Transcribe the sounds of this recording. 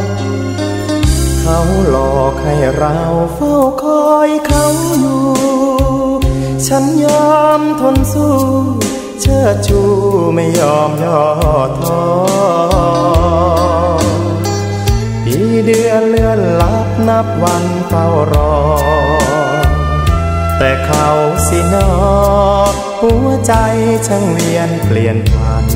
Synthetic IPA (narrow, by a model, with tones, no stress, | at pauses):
kʰa˧˥wlɔː˨˩k̚ha˧˩jɾa˧˥wfa˧˥˩wkʰɔː˧˥jkʰa˧˥wjuː˧ | t͡ɕʰa˦˥njɔː˧mt̪ʰo˧nsuː˧˩ | t͡ɕʰɤː˧˩t͡ɕʰuː˧˩ma˧˩jːɔː˧mjɔː˧˩t̪ʰɔː˧ | piː˨˩˥dɯ˧ənlɯ˧ənla˦˥p̚na˧˥p̚wa˧n | p̪a˧˩wɾɔː˧ | t̪ɛː˨˩kʰa˧˩wsi˧˩nɔː˧˥˩ | hu˧˥ət͡ɕa˧jt͡ɕʰa˧ŋli˧ənpli˨˩ənpʰa˧˩n